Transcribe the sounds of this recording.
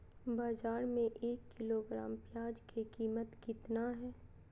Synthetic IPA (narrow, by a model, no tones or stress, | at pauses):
baːzaːɾmẽʔeːkːɪloɡɾa̰ːmpjaːd͡ʒkʰekiːmət̪kɪt̪naɦɛː